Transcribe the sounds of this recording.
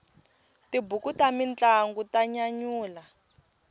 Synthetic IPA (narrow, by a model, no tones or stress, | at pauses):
tibukutamint͡ɬaŋɡutaɲaɲuːla